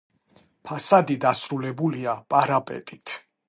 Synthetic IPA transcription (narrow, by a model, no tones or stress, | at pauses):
pʰasad̪id̪asɾulɛbuliapʼaɾapʼɛ̰t̪ʼit̪ʰ